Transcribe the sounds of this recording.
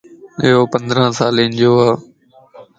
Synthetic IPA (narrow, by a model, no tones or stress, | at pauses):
ɪɦoːpənd̪ɾãːsaːleːnd͡ʑoːɦaː